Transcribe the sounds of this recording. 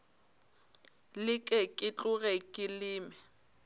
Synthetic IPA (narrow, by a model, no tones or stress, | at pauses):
lɪkʼɛkʼɪt͡ɬʼʊɣɛkʼɪlɪːmɛ